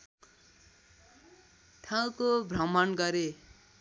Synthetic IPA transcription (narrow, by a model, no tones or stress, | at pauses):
ʈʰãw̃kobʱrʌmʌnɡʌɾe